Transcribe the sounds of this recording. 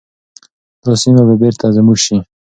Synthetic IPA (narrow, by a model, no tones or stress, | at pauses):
d̪osimaβabeɾt̪ʰazəmuɡʃi